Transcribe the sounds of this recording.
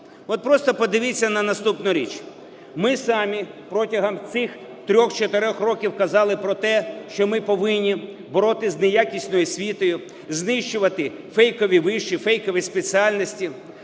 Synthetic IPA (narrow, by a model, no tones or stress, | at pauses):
ɔt̪̚pɾɔst̪ɔpɔd̪ɪʋɪt͡sʲːɐnɐnɐst̪upnʊɾʲḭt͡ʃ | mɪsɑmʲipɾɔtʲɐɦɐmt̪sɪx | t̪ɾʲɔxt͡ʃɔt̪eɾʲɔxrɔkʲiwkɐzɑlˠɪpɾɔt̪ɛʃt͡ʃɔmɪpɔʋɪnʲːi | bɔɾɔt̪ɪznejakʲisʲnɔjʊsʲʋʲit̪ɔjʊ | znɪʃt͡ʃʊʋɐt̪ɪ | fɛjkɔʋʲiʋɪʃt͡ʃifɛjkɔʋʲispet͡sʲialʲnɔsʲtʲi